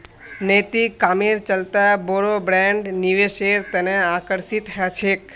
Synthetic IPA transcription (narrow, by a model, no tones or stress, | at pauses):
net̪ikaːmeɾt͡ʃəlt̪aboːɾobɾɛ̃ɳɖniʋeʃeɾt̪əneaːkəɾsit̪ɦɛt͡ʃʰeːk